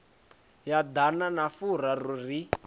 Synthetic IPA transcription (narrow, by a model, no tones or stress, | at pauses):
jad̪ananafur̤aruri